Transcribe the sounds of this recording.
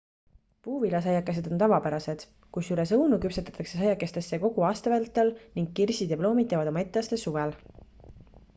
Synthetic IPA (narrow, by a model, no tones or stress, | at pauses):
puːvilɑs̬ɑjɑkːˑes̬e̞d̪̥o̞nt̪ɑvɑpæɾɑse̞d̪̥ | kusyɾe̞sɤwnukypset̪ːˑɑ̥t̪ːˑɑksesɑjɑkːˑest̪esːeko̞ɡ̥uɑːst̪ɑvælt̪ːˑelniŋɡːirsid̪epblo̞ːmid̪ˑevɑd̪o̞mɑe̞t̪ːˑeɑːst̪esuvel